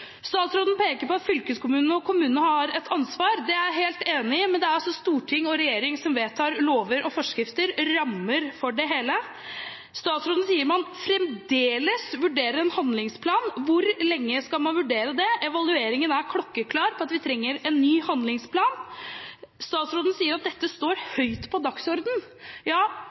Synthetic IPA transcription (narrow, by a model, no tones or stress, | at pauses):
st̪ɑːt̪sɾoːd̪ən̩pʰeːkəɾpɔɑt̪fʏlkəskʰʊmʉːnn̩ɔkʰʊmʉːnənəhɑɾɛt̪ʰɑnsʋɑːɾd̪ɛæɾɦeːlt̪eːnɪmɛnd̪ɛæɾɔsɔst̪uːʈʰɪŋːɔɾɛjeːɾɪŋsɔmʋeːt̪ʰɑːɾloːʋəɾʔɔfɔʂkɾɪft̪əɾːɑmːəɾfɔɖɛɦeːlə | st̪ɑːt̪sɾoːd̪nəsiːəɾmɑnfɾɛmd̪eːləsʋʉɖeːɾəɾɛnhɑnd̪lɪŋspʰlɑːnʋʊɾlɛŋːəskɑlmɑnʋʉɖeːɾəd̪ɛʔɛʋɑlʉeːɾɪŋənæɾkʰlɔkːəkʰlɑːɾpʰɔɑt̪ʋɪt̪ʰɾɛŋːəɾɛnːyːhɑnd̪lɪŋspʰlɑːn | st̪ɑːt̪sɾoːd̪ənsiːəɾɑt̪̚d̪ɛt̪ːəst̪oːɾhœʏt̪pʰɔd̪ɑksɔɾd̪n̩jɑː